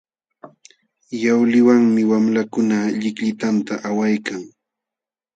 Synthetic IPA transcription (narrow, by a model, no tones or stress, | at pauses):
jawlɪwaŋmɪwamlakʊnaʎɪkʎɪt̪ant̪aʔawajkaŋ